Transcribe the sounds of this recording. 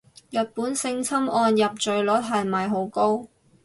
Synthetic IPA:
jɐ˨t̚puː˨˥nsɪ˧ŋt͡sʰɐ˥mɔː˧njɐ˨p̚t͡ʃɵ˨ɥlɔː˨˥tɦɐ˨˩n˨mɐ˨jɦo˨˥wko˥w

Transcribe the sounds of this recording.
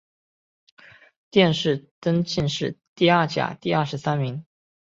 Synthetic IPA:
t̪jɛ˥˧nʂɻ̩˥˩t̪ə˥nt͡ɕi˥˧nʂɻ̩˥˩t̪i˥˧ɐ˞˥˩t͡ɕja̰˨˩t̪i˥˧ɐ˥˩ʂɻ̩˧˥sa˥nmi˧˥ŋ

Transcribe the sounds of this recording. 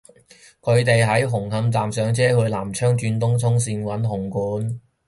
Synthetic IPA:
kʰɵ˨˧ɥt̪e˨jɦɐ˨˥jɦʊ˨˩ŋɦɐ˧mt͡saː˨msœː˨˧ŋt͡sɛː˥hɵ˧ɥlaː˨˩mt͡ʃʰœː˥ŋt͡ʃyː˧nt̪ʊ˥ŋt̪ʰʊ˥ŋsiː˧nwɐ˨˥nɦʊ˨˩ŋkuː˨˥n

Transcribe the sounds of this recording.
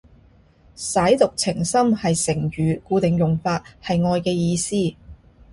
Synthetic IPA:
sɐ˨˥jt̪ʊ˨k̚t͡sʰɪ˨˩ŋsɐ˥mhɐ˨jsɪ˨˩ŋɥyː˨kuː˧t̪ɪ˨ŋjʊ˨ŋfaː˧t̚hɐ˨jŋɔː˧jkɛː˧jiː˧siː˥

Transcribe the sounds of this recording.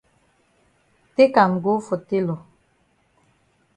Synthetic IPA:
te˦ka˨m˨ɡo˦fo˨te˦lɔ˨

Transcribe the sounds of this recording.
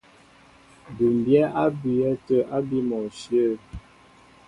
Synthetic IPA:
du˨m˨bjɛ˦ʔa˦bi˨ɛ˦tə˦ʔa˦bi˦mɔ˨ʃjə˦˨

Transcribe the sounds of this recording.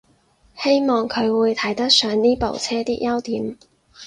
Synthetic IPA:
he˥jmɔː˨ŋkʰɵ˨˧ɥwuː˨˧jt̪ʰɐ˨˥jt̪ɐ˥k̚sœː˨˧ŋniː˥po̰˨wt͡sʰɛː˥t̪iː˥k̚jɐ˥wt̪iː˨˥m

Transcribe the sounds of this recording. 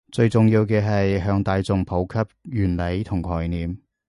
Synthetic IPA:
t͡sɵ˧ɥt͡sʊ˨ŋjiː˧wkɛː˧ɦɐ˨jɦœː˨˧ŋt̪aː˨˧jt͡sʊ˨˧ŋpʰo˨˥wkʰɐ˥p̚jyː˨˩nle˨˥jt̪ʰʊ˨˩ŋkʰɔː˨˩jniː˨m

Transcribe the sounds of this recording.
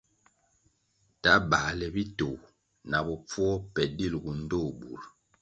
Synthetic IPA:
ta˨˦ba˨lɛ˨bi˦to˨w | na˨bɔ˨p͡fwɔ˦pɛ˨di˦˨lɡu˨n̩˦do˦˨bu˨ɾ

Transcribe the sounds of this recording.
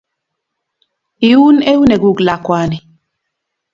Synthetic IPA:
i˨u˦ne˦u˦ne˨ɡu˦ɡla˨kwa˦nɪ˨

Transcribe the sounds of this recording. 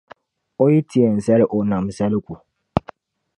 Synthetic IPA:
o˦jɪ˦tʰi˦ɛ˨n̩˨sɛ˦lɪ˦ʔo˨nã˨m˨sɛ˦lɪ˦kʷu˨

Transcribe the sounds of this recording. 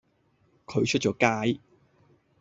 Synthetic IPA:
kʰɵ˨˧ɥt͡ʃʰɵ˥t̚t͡ʃɔː˨˧˥kaː˥j

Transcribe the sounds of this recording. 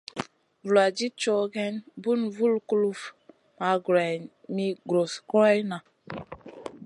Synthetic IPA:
vu˨la˨d͡ʒi˦t͡ʃo˦ɡɛ˦nbu˦nvu˦lku˦lu˦f | ma˨˦ɡɾa˨ | mi˦ɡɾo˨sku˦ɾa˦jna˨

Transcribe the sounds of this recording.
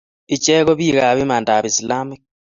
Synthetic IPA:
i˨t͡ʃeː˦ɣo˦βiː˦ɣa˨βi˦maː˨nda˨βi˨si˨la˦mi˦k

